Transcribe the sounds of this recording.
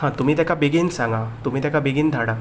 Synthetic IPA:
hãt̪ʊm̤ĩt̪ɛkabeɡinsãŋɡat̪ʊm̤ĩt̪ɛkabeɡind̪ʱaɽa

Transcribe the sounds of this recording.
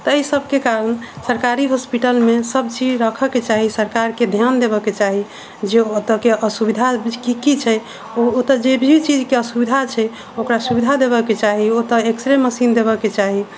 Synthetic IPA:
t̪ɔːisəbʱkekaɾənesəɾkaɾiɦospiʈəlmesəbt͡ʃid͡ʒɾəkʰəket͡ʃaɦisəɾkaɾked̪ʱjand̪eβəket͡ʃaɦi | d͡ʒeot̪əkeʔəsubid̪ʱakikit͡ʃʰɛ | oot̪əd͡ʒebʱit͡ʃid͡ʒkeəsubid̪ʱat͡ʃʰɛ | okɾasubid̪ʱad̪eβəket͡ʃaɦiot̪əeksɾeməsind̪ebəket͡ʃaɦi

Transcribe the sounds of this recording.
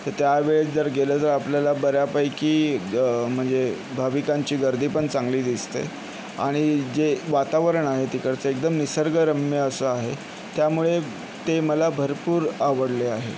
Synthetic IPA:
t̪əɾt̪jaʋeɭet͡sd͡zəɾɡelət̪əɾapljalabəɾjapəjkiː | m̤əɳd͡ze | bʱaʋikaɲt͡ɕiːɡəɾd̪ʱiːpəɳt͡sãŋɡliːd̪ist̪ḛ | a̰ɽ̃id͡zeʋat̪aʋəɾəɳaɦet̪ikəɾt͡səek̚d̪əmnisəɾɡəɾəmjəəsəaɦe | t̪jamuɭe | t̪eməlabʱəɾpuːɾaʋəɽleaɦḛ

